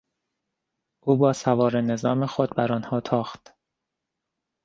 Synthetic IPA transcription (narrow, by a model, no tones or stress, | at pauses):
ʔuːbɒːsævɒːɾene̞zɒːmexod̪̚bæɾɒːnhɒːt̪ʰɒːxt̪